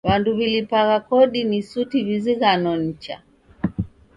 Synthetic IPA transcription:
βanduβilipaɣakɔɗinisutiβiziɣanɔnit͡ʃa̰

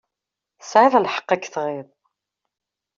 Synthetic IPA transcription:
sʕɪðˤlħə̥qːækːθʁɪðˤ

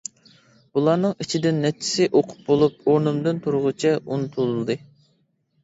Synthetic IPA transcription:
bulˠɑnɨŋit͡ʃʰid̪ɪnːɛt͡ʃʰːi̥sɪʔoqʰʊ̥p̚bolˠup̚oɾnɨmd̪ɨnt̪ʰuɾʊʁʊt͡ʃʰɛunt̪ʰulˠulˠd̪ɨ

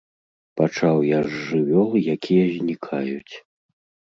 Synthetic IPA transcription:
pat͡ʂawjaʐːɨvʲɔlˠɨjakʲʰijɐzʲnʲikʰajut͡sʲ

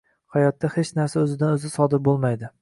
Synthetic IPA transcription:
hajɒt̪ːahe̞t͡ʃnaɾsaɵzɪd̪anɵzɪsɒd̪ɪɾbolˠmajd̪ɪ

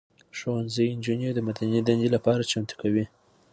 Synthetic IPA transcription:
ʃowanziɪnd͡ʒined̪əmad̪anid̪and̪ilapɑɾat͡ʃamt̪u̥kawi

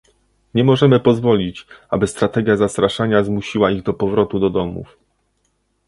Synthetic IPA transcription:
ɲɛmɔʐɛmɘpɔzvɔlʲit͡ɕabɘst̪ɾat̪ɛɡʲjazast̪ɾaʂaɲazmuɕiwaiɣd̪ɔpɔvɾɔt̪ud̪ɔd̪ɔmṵf

